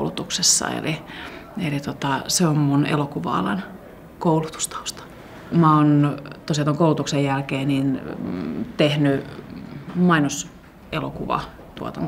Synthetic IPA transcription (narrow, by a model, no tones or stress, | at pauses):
lut̪uksesːɑ̰ḛli | elit̪ot̪ɑseommunḛlokuʋɑ̰ɑ̰lɑn | koulut̪u̥st̪ɑ̥u̥st̪ɑ̥ | mɑoːnt̪osjɑt̪oŋkoˑulut̪uksejjælkeːnin | t̪ehny | mɑinos | elokuʋɑ̰ | t̪uɑ̰t̪ɑ̰ŋ